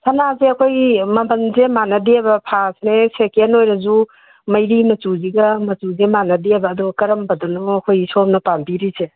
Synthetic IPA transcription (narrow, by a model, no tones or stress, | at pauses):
sʰɐnazeɐkʰojmɐbɐnzemanɐdeabɐpʰasnesekenojɾɐzu | mɐjɾimɐt͡ʃuziɡɐmɐtuzemanɐdiabɐːd̪uɡɐkɐɾɐmbɐdonɔɐkʰojsɔmnɐpambiɾise